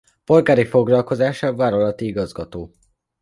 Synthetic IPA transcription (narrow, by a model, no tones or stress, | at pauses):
po̞lɡaːɾifo̞ɡlɒlko̞zaːʃɒvaːɾolɒt̪iiɡɒzɡɒt̪oː